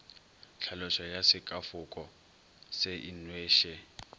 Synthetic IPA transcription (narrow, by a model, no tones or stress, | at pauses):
ɬʰalɔʃɔjasɪkʼafʊkʼɔ | sɛʔinweːʃɛ